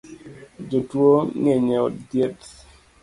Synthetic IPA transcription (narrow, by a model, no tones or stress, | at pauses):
d͡ʒotwoŋeɲeɔ̰tdjet